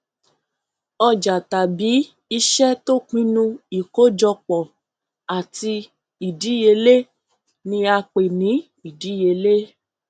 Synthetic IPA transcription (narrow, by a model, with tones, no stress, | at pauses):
ɔ˧d͡ʒa˨ta˨bi˨˦ | i˧ʃɛ˦to˦kĩ˦nũ˦i˨ko˦d͡ʒɔ˧k͡pɔ˨ | a˨ti˧ | i˨di˨˦je˧le˦ | nĩ˧a˧k͡pe˨nĩ˨˦ | i˦˨di˨˦je˧le˦